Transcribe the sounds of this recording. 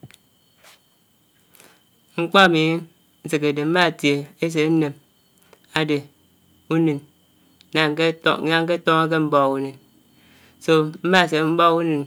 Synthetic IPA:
ŋ͡m̩˦k͡pɔ˦a˨mi˨˦ | n̩˨˦ze˨ke˨de˨m̩˦ma˦˨tje˨e˦s̬e˨˦n˦ne˨m | a˨de˨ | u˦ni˨n˦ | na˨ŋ˦kḛ˦˨˦a˦ŋ̩˦ke˦to˦ŋa˦k̬e˦m̩˦bɔ˦u˦nɨ˨n | so˨m̩˦ma˦˨s̬e˨m̩˦bɔ˦ku˦nɨ˨n

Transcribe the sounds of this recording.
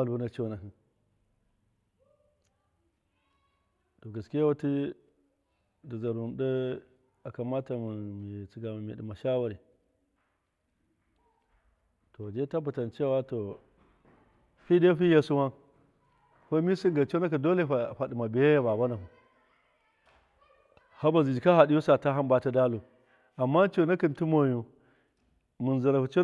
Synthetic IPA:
a˦lu˦na˦t͡ʃo˦na˨ɦi˦ | to˨ɡa˨ski˦a˦wa˦ti˦ | da˨za˨ɾu˨n˨da˦ | a˨ka˨ma˦ta˨mi˨mi˨t͡si˨ɡa˨a˨mḭ˨di˨ma˨ʃa˦wa˨ɾi˨ | to˨d͡ʒe˦ta˦bu˨ta˨nt͡ʃa˦wa˦to˨ | ɸi˦de˦ɸi˦ja˨su˦wa˦ | ɸa˦mi˦si˦ɡa˨t͡ʃo˦na˦k̬i˨do˦le˦a˨ɸa˨di˨ma˨bi˨ja˦ja˦ba˨ba˦na˨hu˨ | ha˦ba˨zi˨d͡ʒi˨ka˦ha˨ɗi˦ju˦sa˨ta˦ɦa˦mba˨˦ta˦da˦lu˨ | a˨mːa˦t͡ʃo˨na˦ki˨nti˦mo˨ju˨ | mu˨n˨za˨ɾa˨ɸu˨t͡ʃo˦

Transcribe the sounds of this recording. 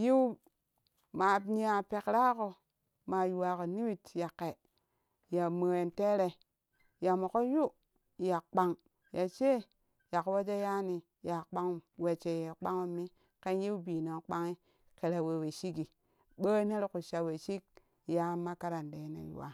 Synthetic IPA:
ji˦w | ma˨˦ni˦a˨pe˨kɾa˦ko˨ | ma˨ju˨wa˨ko˨ni˦wi˦tja˨kːe˨ | ja˨mə˨e˨nte˦ɾe˨ | ja˨mo˨ko˦ju˦ | ja˨k͡pa˦ŋ | ja˨t͡ʃe˦ | ja˨kwa˦d͡ʒa˦ja˦ni˨ | ja˨k͡pa˦ŋ˨we˨t͡ʃe˨je˨k͡pa˦ŋo˦mi˦ | ke˦nji˦wbiː˨no˨k͡pa˦ŋi˦ | ke˨ɾa˨we˨we˨ʃi˦ki˨ | ɓə˦ne˦ɾku˨ʃa˨we˨ʃi˦k̚ | ja˦ma˦ka˦ɾa˨nde˨˦nḛ˨jṵ˨wa̰˨

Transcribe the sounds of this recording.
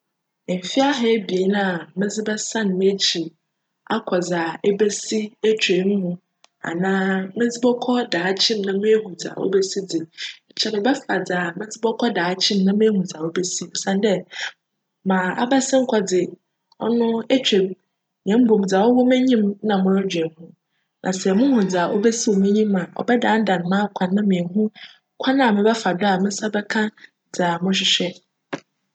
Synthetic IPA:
m̩˨fi˦a˦ɦɛ˦bi˨e˨˦na˦a˨mɪ̃˦d͡zɪ˦bɛ˦sã˦˨n˨mɪ̃˦t͡ɕʰi˨ | a˦kʰɔ˨d͡za˨e˦be˦si˦e˦t͡ɕᶣe˨˦m˦mũ˦ | a̰˨nãː˦mɪ̃˦d͡zɪ˦bɔ˦kʰɔ˦daː˨˦˨t͡ɕʰɪ̃˦mnã˦mɪ̃˦ɦũ˨d͡za̰˨wʔo̰˦be˦si˦d͡zɪ˨ | t͡ɕʰɛ˨nʊ̃˨bɛ˦fa˨d͡za˨mɪ̃˦d͡zɪ˦bɔ˦kʰɔ˦daː˨˦t͡ɕʰɪ̃˦m˦nã˦mɪ̃˦e˦hũ˨d͡za˨wo˦be˦si˦ɔ˨sã˦ndɛ˦ | mãː˨a̰˦ba˦sɪ̃˦ŋ̩˦kʷʰɔ˦d͡zɪ˨ | ɔ̰˦nʊ̃˦ɛ˦t͡ɕᶣe˨b̚ | ɲ˨ɛ̃˨˦m̩˦bõ˨m˨d͡za˨wɔ˦wɔ˦mɪ̃˦ɲĩ˦m˦nã˨mʊ̃˦ɾɔ˦d͡ʑɥɛ˨hũ˦ | nʔã˨sɛ˨mʊ̃˦hũ˨d͡za˨ʔo˦bɛ˦si˦o˨mʊ̃˦ɲĩ˦mã˨ɔ̰˨bɛ˦dã˨˦n̩˦dã˨n˨mãː˦kʷʰã˨nː˦ã˦mẽ˨ɦũ˦ | kʷʰa˦nã˦˨mɪ̃˨bɛ˦fa˨da˨mɪ̃˦sa˦bɛ˦kʰã˦ | d͡za˨mʊ̃˦ɕ̬ɪ˦ɕᶣɛ˦

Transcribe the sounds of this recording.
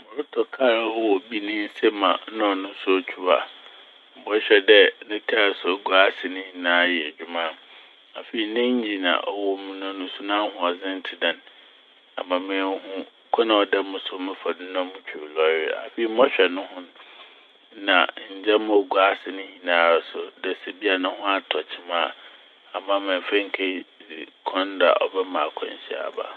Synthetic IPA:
mʊ̃˨ɾʊ˦tʰɔ˨kʰa˦ɾa˦˨wɔ˨bi˦nɪ̃˦n̩˦sɛ˦mã̰˨˦nɔ̃˦˨nʊ̃˦sʊ˦t͡ɕᶣʰu˦a̰˨ | m̩˨bɔ˦ɕᶣɛ˨dɛ˦nɪ̃˦kʰa˦˨sɔ˨˦ɡu˦a˦sɪ˨nɪ̃˦ɲĩ˨nãː˦jɛ˨ɛ˨d͡ʑᶣu˨mã˦ | a̰˨fe˨i˨nɪ̃˦ɲ̩˦d͡ʑi˦nã̰˨ʔɔ˦wɔ˦mʊ̃˦nã˦nʊ̃˦sʊ˦nã˦hʊ̃˨a˨zɪ̃˦n̩˦tʰɪ˨dã˨n | a̰˨mã˨mɪ̃˦ɛ˦hʊ̃˦kʰɔ˦nã˨ɔ˨dɛ˦mʊ̃˨sʊ˦mɪ̃˦fa˨dʊ˦nã˦mʊ̃˦t͡ɕᶣʰu˨lɔ˦ɾɪ˦a̰˨fe˨i˨˦m˦ɔ̃˦ɕᶣɛ˨nʊ̃˦ɦʊ̃˦n˦ | nã̰˨ɲ̩˨d͡ʑɛ˦m˦ɔ˨ɡu˦a˦sɪ˨nɪ̃˦ɲĩ˨nãː˨˦˨sʊ˨dɛ˨se˨bi˦a˨nã˦hʊ̃˦a˨tʰɔ˨t͡ɕʰi˦mãː˦˨ | a˨mã˨mɛ̃˨m̩˨fɛ̃˦ŋ̩˦kʰe˦dɪ̰˨kʰɔ̃˦nda̰˨ʔɔ̰˨bɛ˦mã˨kʰɔ̰̃˦ɲ˨ɕḭ˦˨a̰˨ba̰˦˨

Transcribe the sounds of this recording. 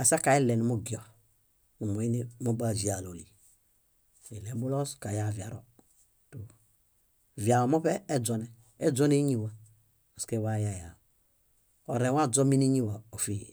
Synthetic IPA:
a˨sa˦ka˨i˦lɛ˨nu˨mo˦ɡi˨ɔ˨ | nu˨mo˨i˦ni˦mo˦ba˦˨zi˨a˨lo˨li˨ | e˨lɛ˨bu˦lɔ˦ska˨ja˨vja̰˨ɾɔ̰˨ | to˨ | vja˨lɔ˨mo˦pɛː˦d͡zɔ˨nɛ˨ | ɛ˦d͡zɔ˦ne˦ɲi˦wa˨ | o˨ske˦˨wa˦˨ja˨ja˨ | o̰˨ɾɛ˨wa˦d͡zɔ˦mi˦ni˦ɲi˦wa˨o˨fi˦˨

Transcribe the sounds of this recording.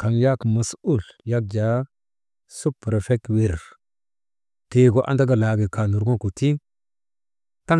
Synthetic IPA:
ka˨nja˦kma˨su˦˨lja˦k̚d͡ʒa˨˦ | su˦pːɾfe˦k̚wi˨ɾɾ | te˨ɡo˨˦ʔa̰˦nda˦ɡa˨la˨ɡi˨ka˨nu˨ɾɡo˦ku˨ti˦ | ta˦

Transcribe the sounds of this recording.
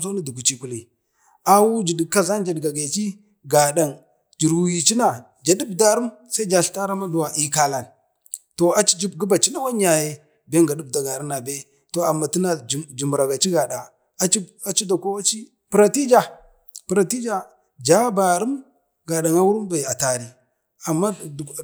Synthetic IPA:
so˦ni˦du˨ku˨t͡ʃi˨ku˨li˨ | a˦wu˦d͡ʒi˨dka˦za˦nd͡ʒa˨dɡa˨ɡa˨t͡ʃi˦ | ɡa˨ɗa˨ŋ | d͡ʒi˨ɾu˨ji˨t͡ʃi˦na˨ | d͡ʒa˨du˦bda˦ɾu˦msa˦i˦d͡ʒa˨ɬta˦ɾa˦ma˦du˨wa˨ʔi˨ka˨la˨n | to˨a˨t͡ʃi̥˦d͡ʒi˦bɡi˦ba˨t͡ʃi˦na˦wa˦ɲ˦a˨je˦ | be˦ŋɡa˨du˦b̚da˨ɡa˨ɾu˦na˨be˦ | to˨a˨mːa˨ti˦na˦˨d͡ʒi˨m˨ɾa˨ɡa˨t͡ʃi˦ɡa˨da˨ | a˦t͡ʃi˦ | a˨t͡ʃi˦da˨ko˦wa˦t͡ʃi˦ | pɾa˨ti˦d͡ʒa˦ | pɾa˨ti˦d͡ʒa˨ | d͡ʒa˦ba˨ɾu˦m | ɡa˨da˨ŋa˦wu˦ɾu˦mba˨a˨ta˨ɾi˦ | a˨mːa˦d

